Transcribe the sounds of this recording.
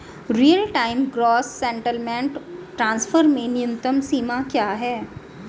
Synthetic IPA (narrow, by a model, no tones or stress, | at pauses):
ɾijəlʈaːɪmɡɾɔːsːɛ̃ɳʈəlmẽɳʈʈɾãːnsfəɾmẽnɪjə̃nt̪əmsiːmakjaːɦɛː